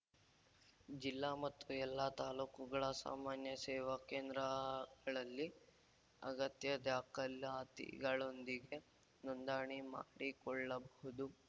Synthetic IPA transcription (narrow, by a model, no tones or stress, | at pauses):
d͡ʒilːamɐt̪ːuɛlːat̪aːluːkuɡɐɭɐsa̰ːmaːnjɐsɛːʋɐkeːnd̪ɾɐɡɐɭɐlːi | ɐ̰ɡɐt̪jɐd̪aːkɐlaːt̪ḭɡɐɭond̪iɡe̞ | nɔnd̪aːɳima̰ːɽikɔɭːɐbɔɦud̪u